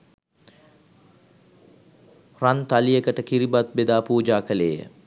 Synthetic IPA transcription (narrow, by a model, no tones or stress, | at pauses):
rant̪alijəkəʈəkiɾibat̪̚bed̪aːpuːd͡ʒaːkəlḛːjə̰